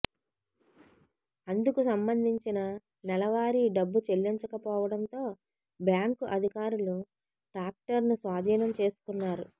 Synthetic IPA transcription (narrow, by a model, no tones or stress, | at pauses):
ɐnd̪ukusɐmbɐnd̪ʱiɲt͡ʃinɐ | nɛlɐʋaːɾiɖɐbːut͡ʃelːiɲt͡ʃɐkɐpɔːʋɐɽɐnt̪o̞ː | bjaːŋkuʔɐd̪ʱikaːɾulu | ʈɾaːk̚ʈɐɾnusʋaːd̪ʱiːnɐmt͡ʃe̞ːsu̥kunːaːɾu